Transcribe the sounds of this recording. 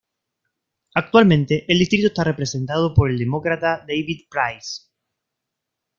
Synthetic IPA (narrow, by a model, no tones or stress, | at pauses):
ak̚t̪walmẽnt̪eʔːld̪ist̪ɾit̪oest̪arepɾesent̪aðopoɾeld̪emokɾat̪ad̪ejβiðpɾajs